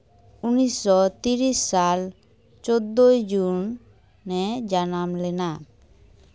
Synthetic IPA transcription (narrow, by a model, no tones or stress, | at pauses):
unisɔt̪iɾisːal | t͡ʃod̪ːojd͡ʒunː | ɛd͡ʒanamlɛna